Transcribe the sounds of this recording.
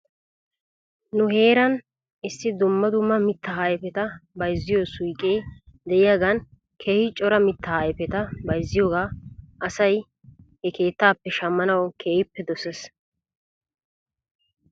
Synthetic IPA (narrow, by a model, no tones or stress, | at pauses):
nʊhe̞ːɾɐn | ɪsːɪd̪ʊmːɐd̪ʊmːɐmɪt̪ːɐhaːjɛpɛt̪ɐbɐjzːɪjoːsʊjkʼeːd̪ɛʔɪjaːɡɐn | kʰɛhɪt͡ʃʼɔɾɐmɪt̪ːɐhaːjɛpɛt̪ɐbɐjzːɪjoːɡaːʔɐsɐj | hɛke̞ːt̪ːaːpːɛʃɐmːɐnɐwkʰeːhɪpːɛd̪ɔsɛs